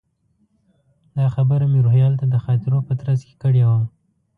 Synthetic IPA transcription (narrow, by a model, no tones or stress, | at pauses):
d̪ɑxabəɾamiɾohjɑlt̪ad̪əxɑt̪ɪɾopət̪ɾazke̥kəɽewa